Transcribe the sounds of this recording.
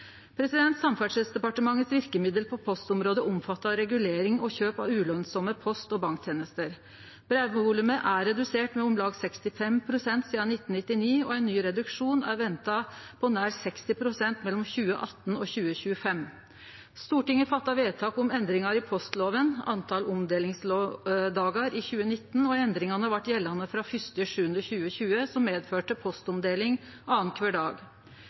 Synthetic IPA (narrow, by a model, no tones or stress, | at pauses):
pʰɾɛsɪd̪ɛnt̪sɑmfæʂɛsd̪ɛpɑʈəmɑŋːət̪sʋɪɾkəmɪd̪əlpʰɔpʰɔst̪ʊmɾoːd̪əʔʊmfɑt̪ːɑɾɛɡʉleːɾɪŋɔçøːpɑ̰ʉːlœnsɔməpʰɔst̪ɔbɑŋkt̪ʰjeːnəst̪əɾ | b̥ɾɛʋʋʊlʉməʔæɾɛd̪ʉseːʈmɛʊmlɑːɡsɛkst̪ɪfɛmpʰɾʊsɛnt̪siːd̪ɑnɪt̪ːən̩ɪt̪ːɪniːɔæɪnːyːɾɛd̪ʉkʂuːnæɾʋɛnt̪ɑpʰɔnæːɾsɛkst̪ɪpʰɾʊsɛnt̪mɛlːɔmçʉːə̰ʔɑt̪ːnɔçʉːəɕʉːəfɛm | st̪uːʈɪŋːəfɑt̪ːɑʋeːt̪ʰɑːkɔmɛnd̪ɾɪŋɑɾɪpʰɔst̪loːʋənɑnt̪ʰɑlɔmd̪eːlɪŋslod̪ɑːɡɑɾɪçʉːənɪt̪ːn̩ɔɛnd̪ɾɪŋɑnəʋɑʈjɛlːɑnəfɾɑːfʏst̪əʂʉːʉnd̪ɾɔçʉːəɕçʉːəsɔmːeːd̪føːʈəpʰɔst̪ɔmd̪eːlɪŋ | ɑːənkʰʋæːɖɑ̰ːɡ